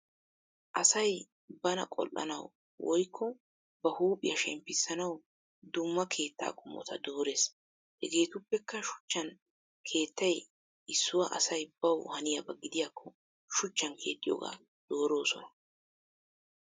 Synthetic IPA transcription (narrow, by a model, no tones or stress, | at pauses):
ʔɐsɐj | bɐnɐ̰kʼɔ̰lʔːɐ̰nɐ̰w | wʔɔjkʰːɔ | bɐhuːpʼɪjɐʃɛ̰mpːɪsɐnɐw | d̪ʊmːɐkʰe̞ːt̪ːa̰ːkʼʊmːɔ̰t̪ʰɐd̪o̞ːɾe̞ːs | ɛɡe̞ːt̪ʊpːɛkːɐʃʊ̥t͡ʃːɐn | kʰe̞ːt̪ːɐj | ɪsːʊwɐʔɐsɐjbɐwhɐnɪjɐbɐɡɪd̪ɪjaːkːɔ | ʃʊt͡ʃːɐnkʰe̞ːt̪ʼːɪjo̰ːɡa̰ː | d̪̥o̞ːɾo̞ːsɔnɐ